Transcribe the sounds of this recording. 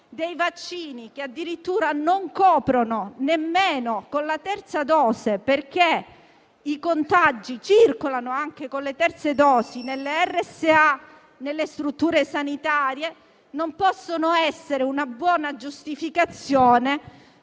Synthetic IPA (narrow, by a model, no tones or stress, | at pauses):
d̪ejvat͡ʃːiːnik̟ead̪ːiɾit̪ːuːɾanoŋkɔːpɾononemːeːnokonlat̪ɛrt̪sad̪ɔːzeperke | ikont̪ad͡ʒːit͡ʃirkolanoaŋk̟ekonlet̪ɛrt̪sed̪ɔːsinelːeɛrːɛsːea | nelːest̪ɾut̪ːuːɾesanit̪aːɾje | nompɔsːonoɛsːeɾeunabwɔːnad͡ʒust̪ifikat̪sːjoːne